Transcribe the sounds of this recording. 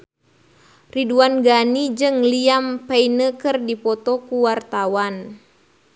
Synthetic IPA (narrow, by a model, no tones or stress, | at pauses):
riduanɡanid͡ʒɨŋliampainəkɨrdipɔt̪ɔkuwart̪awan